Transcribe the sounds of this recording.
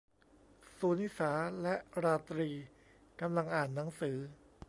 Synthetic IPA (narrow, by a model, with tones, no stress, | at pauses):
suː˩˦ni˦˥saː˩˦lɛ˦˥ʔɾaː˧t̪ɾiː˧ | ka˧mla˧ŋʔaː˨˩nːa˩˦ŋsɯː˩˦